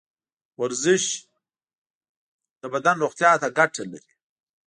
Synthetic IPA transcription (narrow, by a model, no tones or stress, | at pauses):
waɾzɪʃ | d̪̥əbad̪anɾoχt̪jɑːt̪aɡaʈʰala̰ɾi̥